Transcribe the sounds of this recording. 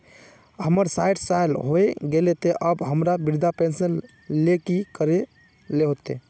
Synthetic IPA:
ɦəməɾsajɖsajlɦoeɡelet̪eʔəbɦəmɾabiɾd̪ʱapẽnsən | lekikəɾe | leɦot̪e

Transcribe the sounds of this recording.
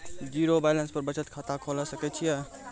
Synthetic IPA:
d͡ʒiɾobajlə̃nspəɾbət͡ʃət̪̚kʰat̪akʰolasəkɛt͡ʃʰijɛ

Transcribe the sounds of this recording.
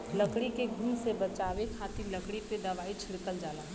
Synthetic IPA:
ləkɽikeɡʱuːmsebət͡ʃaːʋekʰaːt̪iləkɽiped̪ɐʋaːit͡ʃʰɪɽkəld͡ʒaːla̰

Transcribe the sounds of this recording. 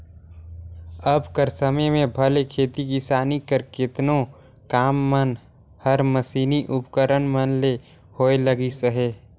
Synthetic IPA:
əbkəɾsəməjmẽbʱəlekʰeːt̪ikisaːnikəɾkɪt̪no | kaːmːən | həɾməsiːniʔʊpkəɾənmənle | hoːeləɡisəɦeː

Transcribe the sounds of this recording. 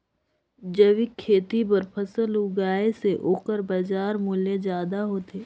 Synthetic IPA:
d͡ʒəʋikʰːeːt̪ipəɾpʰɐsəlʊɡaːeseʔoːkəɾbɐd͡ʒaːɾmʊled͡ʒjaːd̪aɦoːt̪eː

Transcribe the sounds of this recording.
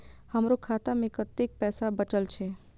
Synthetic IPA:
həmɾokʰaːt̪amẽkət̪ːek̚pɛːsabət͡ʃəlt͡ʃʰe

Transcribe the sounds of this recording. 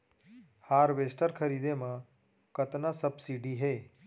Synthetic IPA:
haːɾʋesʈəɾkʰəɾiːd̪emã | kət̪nasəbsiːɖiɦeː

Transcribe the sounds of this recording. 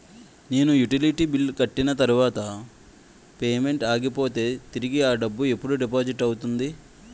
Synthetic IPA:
ne̞ːnujuʈiliʈibilːkɐʈːinɐt̪ɐɾuʋaːt̪ɐ | pe̞ːme̞ɳʈaːɡipo̞ːt̪e̞ːt̪iɾiɡiaːɖɐbːue̞pːuɽuɖip̬aːd͡ʒiʈːɐwut̪und̪i

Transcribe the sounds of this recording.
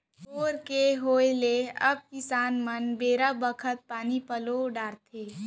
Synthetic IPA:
oːɾkeɦoːeleəb̚kɪsaːnmənbeːɾabəkʰət̪̚paːnipəloɖaːɾt̪ʰe

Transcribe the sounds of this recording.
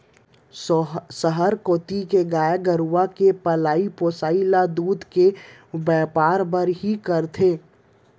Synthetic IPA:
səɦəɾkoːt̪ikeɡaːjaɡəɾuʋakepəlaːipoːsaːilad̪uːd̪kebɛːpaːɾbəɾɦikəɾt̪ʰeː

